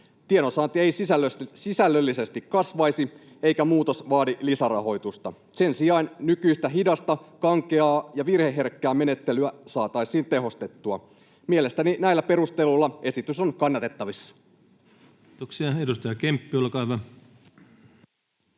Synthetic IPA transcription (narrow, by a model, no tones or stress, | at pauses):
t̪ienosɑːnt̪ie̞jsisælsisælːølːise̞st̪ikːɑsʋɑjsi | e̞ijkæmuːt̪o̞sʋɑːdilisærɑ̰ɦo̞jt̪ust̪ɑ | se̞nsiɑinnykyist̪æɦidɑst̪ɑkɑŋkeɑːjɑʋirhe̞ɦe̞rkːæːme̞ne̞t̪ːe̞lyæsɑːt̪ɑjsiːnt̪e̞ɦo̞st̪e̞t̪ːuɑ | miele̞st̪æninæilːæpe̞ɾust̪eluolːɑe̞sit̪yso̞nkɑnːɑt̪e̞t̪ːɑʋisːɑ̥ | oksiɑedust̪ɑjɑkempːiolkɑʋɑ